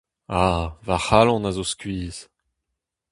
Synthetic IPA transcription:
avaχalɑ̃nazoskɥiːz

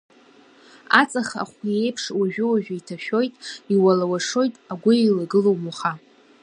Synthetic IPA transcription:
at͡sʼaχa̰χʷje̞jpʰʂwaʒᶣʊwaʒᶣaitʰaʃᶣo̞jtʼiwalawaʂo̞jtʼaɡʷʊilaɡɨlo̞wmuχa

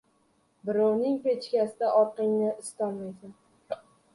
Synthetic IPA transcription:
bɪɾɒwnɪŋpet͡ʃkʲasɪd̪aʔɒɾqɪŋnɪɪst̪ɒnmajsan

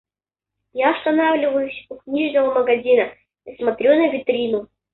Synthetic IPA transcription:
jaɐst̪ɐnavlʲɪvəjʊsʲʊknʲiʐnəvəməɡɐzʲinə | əsmɐt̪ɾʲonɨjvʲɪt̪ɾʲinʊ

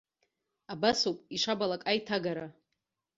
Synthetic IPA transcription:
abasopʼiʂabalakʼajtʰaɡaɾa

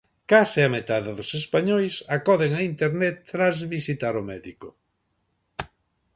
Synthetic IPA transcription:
kasɪamet̪aðɪðʊsespaɲojsakɔðeŋaint̪eɾnɛt̪ːɾazβisit̪aɾʊmɛðikʊ

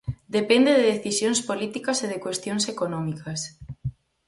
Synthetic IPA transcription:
d̪epend̪eðeðeθisjoŋspolit̪ikɐseðekwest̪joŋsekonɔ̃mikʰɐs

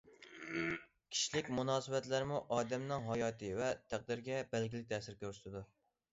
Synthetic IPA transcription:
kʲʰi̥ʃilɪkʲmunɑːsɨbɛt̪læɾmuʔɑːd̪ɛmnɪŋɦɑjɑːt̪ʰɨvɛt̪ʰæq̚d̪ɪɾɡʲɛbɛlɡʲilɪk̚ʲt̪ʰɛsɪɾkʲʰøɾsɪ̥t̪ɪd̪u

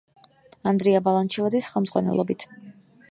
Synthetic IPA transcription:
and̪ɾiabalˠant͡ʃʰivad̪zisχɛlˠmdzʁwa̰nɛ̰lˠɔbit̪ʰ

